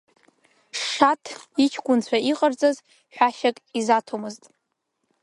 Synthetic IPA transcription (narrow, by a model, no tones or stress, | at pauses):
ʂatʰit͡ʃʰɡʷʼʊnt͡ɕʷʰaiqʼərd͡zaz | ħᶣaʃakʼizatʰomɨztʼ